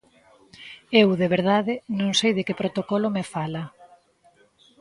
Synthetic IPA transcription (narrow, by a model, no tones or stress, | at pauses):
ewðeβeɾðaðɪnõŋsejðɪkepɾot̪okɔlomefalɐ